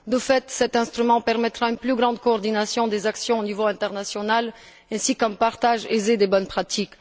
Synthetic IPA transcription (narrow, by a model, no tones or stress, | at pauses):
d̪əfɛt̪sɛt̪ɛ̃st̪χymɑ̃pɛʁmɛt̪χaynplyɡʁɑ̃d̪kɔːʁd̪inasjɔ̃d̪ezaksjɔ̃onivoɛ̃t̪ɛʁnasjɔnal | ɛ̃sikɔ̃mpaʁt̪aʒezed̪ebɔnpχat̪ik